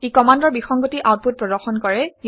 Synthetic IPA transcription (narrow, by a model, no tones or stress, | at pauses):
ikɔmandɔɹbixɔŋɡotiʔawt̚put̚pɹɔdɔɹxɔnkɔɹɛj